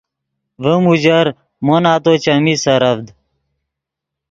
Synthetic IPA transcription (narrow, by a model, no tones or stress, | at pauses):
ʋəmud͡ʑɐɾ | monaːt̪ot͡ɕɐmisɐɾɐbd̪